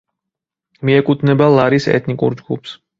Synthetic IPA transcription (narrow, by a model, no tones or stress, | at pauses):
miɛkʼut̪ʰnɛbalˠaɾisɛ̰t̪ʰnikʼṵɾd͡ʒɡupʰs